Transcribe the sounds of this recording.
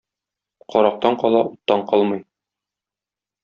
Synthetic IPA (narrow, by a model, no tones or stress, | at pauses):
qɒɾɑq̚t̪ɑɴqɒlˠɑut̪ːɑɴqɒlˠmɤj